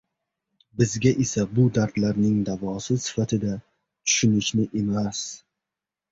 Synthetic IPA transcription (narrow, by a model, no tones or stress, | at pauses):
bɪzɡʲaʔesabʊd̪aɾt̪laɾnɪŋd̪avɒsɪsɪ̥fat̪ʰɪd̪a | t̪ʰʊ̥ʃʊnɪʃnɪʔe̞mas